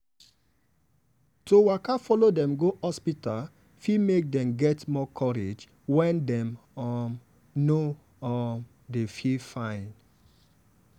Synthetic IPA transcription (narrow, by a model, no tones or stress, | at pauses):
towakafɔlodɛ̃mɡoɔspita | fimek̚dɛ̃mɡɛtmɔkʰɔɹed͡ʒ | wɛ̃ndɛ̃mɔm | no | ɔm | defifãɪ̃n